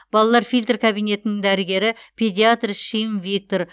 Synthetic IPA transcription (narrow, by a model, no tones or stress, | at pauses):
b̥ɑlˠɑlˠɑɾfijlt̪rkʲʰabijne̞t̪ɪnɪŋd̪æɾɪɡʲe̞ɾɪpʰʲe̞d̪ʲiat̪rʃijmvʲik̚t̪o̞ɾ